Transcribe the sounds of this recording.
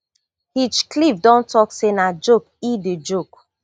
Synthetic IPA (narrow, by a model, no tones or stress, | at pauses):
hit͡ʃklifdɔ̃ntɔksenad͡ʒok̚ided͡ʒok